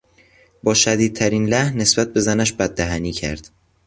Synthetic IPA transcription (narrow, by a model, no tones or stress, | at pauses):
bɒːʃæd̪iːd̪̚t̪ʰæɾiːnlæhnːe̞sb̥æt̪̚be̞zænæʃbæd̪̚ːæɦæniːcʰæ̰ɾd̪̥